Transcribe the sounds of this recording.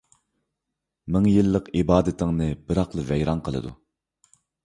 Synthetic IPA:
mɪŋjilˠːəqibɑːd̪ɪt̪ʰɪŋnɨbɪɾɑqlˠɨvɛjɾɑnqʰəlˠɨ̰d̪ṵ

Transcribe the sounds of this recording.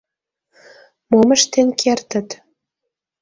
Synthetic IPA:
moməʃt̪enkʰert̪ə̆t̪

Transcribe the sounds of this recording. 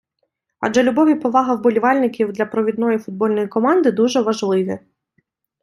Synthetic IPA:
ɐ̰d͡ʒɛlʲʊbɔʋʲipɔʋɑɦɐwbɔlʲiʋɑlʲnɪkʲiwd̪lʲɐpɾɔʋʲid̪nɔjifʊd̪̚bɔlʲnɔjikɔmɑnd̪ɪd̪uʒɛʋɐʒlˠɪʋʲi

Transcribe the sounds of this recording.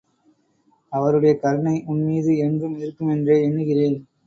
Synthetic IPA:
ɐʋɐɾɯɽɐjɐkɐɾɐɳɐɪʔʊɳmiːðɯɛndrɯmɪɾɯkːɯmɛndreːɛɳːɯɣɪreːn

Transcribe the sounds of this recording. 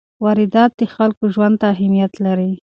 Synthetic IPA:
wɑɾɪd̪ɑt̪̚d̪əxalkoʒwand̪̚t̪aːɦamijat̪laɾi

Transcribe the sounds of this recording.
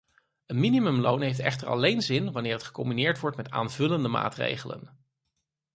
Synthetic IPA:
ənminimɵmlownɦejftɛ̰χtəɹɑ̰lejnzɪnʋɑnɪːɹətχə̥kɔmbinɪːɹtʋɔɹtmɛta̰ːnvɵləndəma̰ːtrḛjχələ̰n

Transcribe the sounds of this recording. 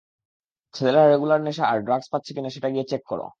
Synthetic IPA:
t͡ɕʰed̪elaɾːeɡulaɾneʃaaɾɖɾakspatːt͡ɕʰekinaʃeʈaɡijet͡ɕekːo̰ɾo̰

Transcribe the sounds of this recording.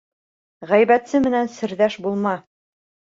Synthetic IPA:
ʁæjβæt̪sɘmɘ̆nænsɘ̆ɾðæʃbulˠmɑ

